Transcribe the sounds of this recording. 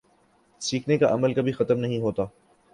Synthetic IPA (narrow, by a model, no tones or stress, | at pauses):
siːkʰnekaʔɐməlkɐbʱixɐt̪əmnɐɦĩɦoːt̪aː